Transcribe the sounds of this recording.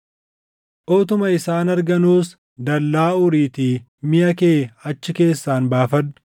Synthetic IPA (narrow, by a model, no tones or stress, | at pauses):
ʔoːt̪ʊmɐɪsaːnɐɾɡɐnuːs | d̪ɐlːaːʊɾiːt̪iː | mɪjɐkeːɐt͡ʃːɪke̞ːsːaːnbaːfɐd̪ːʊ̥